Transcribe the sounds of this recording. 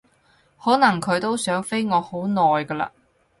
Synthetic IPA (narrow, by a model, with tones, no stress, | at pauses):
hɔː˨˥nɐ˨˩ŋkʰɵ˨˧ɥt̪o˥wsœː˨˥ŋfe˥jŋɔː˨˧ho˨˥wnɔː˨jkɐː˧la̰ː˧